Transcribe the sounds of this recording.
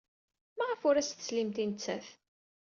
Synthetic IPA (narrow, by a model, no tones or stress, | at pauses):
mæʁəfʊɾæst̪ə̥slimt̪int͡sːæθ